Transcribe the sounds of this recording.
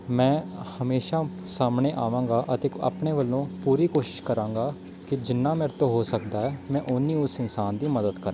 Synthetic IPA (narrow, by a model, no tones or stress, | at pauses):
mɛ̃ːhəmeːʃaː | saːmɳeːʔaːʋãːɡaːʔət̪eːa̰ːpɳeːʋəlːõːpuːɾiːkoːʃɪ̥ʃkəɾãːŋɡaː | kɪd͡ʒɪnːãːmɛːɾt̪õːɦoːsəkd̪aːɛːmɛ̃ːʔʊnːiːʊsɪnsaːnd̪iːməd̪əd̪kəɾã